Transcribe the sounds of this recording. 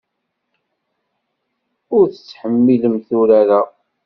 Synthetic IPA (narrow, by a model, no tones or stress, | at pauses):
ʊɾθət͡sːħəmːiləmθuɾæɾa